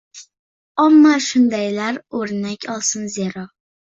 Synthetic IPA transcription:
amːaʃʊnd̪ajlaɾoɾnakʲʰɒlˠsɪnzeɾɒ

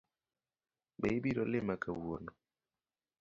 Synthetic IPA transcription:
bɛ̰ibiɾɔlɪmakawwo̰nɔ

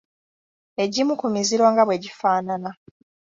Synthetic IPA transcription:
e̞ɟimukumiziɾwaːŋɡaβwe̞ɟifaːnana

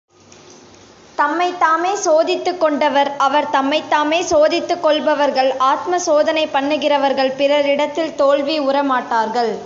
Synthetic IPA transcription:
t̪ɐmːɐɪt̪ːaːmeːsoːðɪt̪ːɯkːɔɳɖɐʋɐɾɐʋɐɾt̪ɐmːɐɪt̪ːaːmeːsoːðɪt̪ːɯkːɔɭbɐʋɐɾɣɐɭaːt̪mɐsoːðɐnɐɪpɐɳːɯɣɪrɐʋɐɾɣɐɭpɪrɐɾɪɽɐt̪ːɪlt̪oːɭʋiʊrɐmaːʈːaːɾɣɐɭ

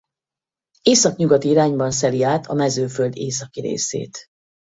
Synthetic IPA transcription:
eːsɒkɲuɡɒt̪iiɾaːɲbɒns̬ɛliaːt̪ʰɒmɛzøːføld̪eːs̬ɒkiɾḛːsḛːt̪

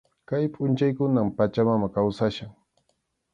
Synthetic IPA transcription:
kajpʼʊnt͡ʃajkʊnampat͡ʃamamakawsaʃaŋ

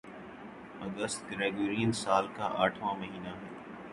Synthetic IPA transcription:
ɐɡəst̪ɡɾɛːɡoɾiːənsaːlka̰ʔaːʈʰʋãːməɦiːnaɦɛː

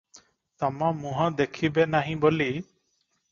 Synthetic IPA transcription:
t̪amamũɦãd̪ekʰibenaɦĩboli

